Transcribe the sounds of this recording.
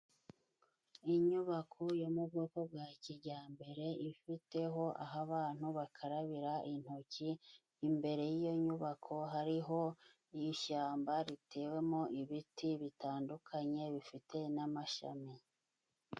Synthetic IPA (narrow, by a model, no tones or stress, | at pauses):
iɲuβakʰojomuɡokob̚ɡaːciɾɟaːmbe̞ɾe̞ifite̞ɦo̞ʔa̰ɦaβaːn̥huβakʰaɾaβiɾaʔin̥hociː | mbe̞ɾe̞jijo̞ɲuβakʰo̞ɦaɾiɦo̞ | ijʃaːmbaɾitʰe̞ːwe̞mo̞ʔiβitʰiβitaːndukʰaɲe̞βifite̞namaʃa̰mi